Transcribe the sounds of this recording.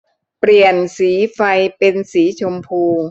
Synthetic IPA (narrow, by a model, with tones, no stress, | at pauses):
pɾi˨˩ənsiː˩˦fa˧jpe˧nsiː˩˦t͡ɕʰo˧mpʰuː˧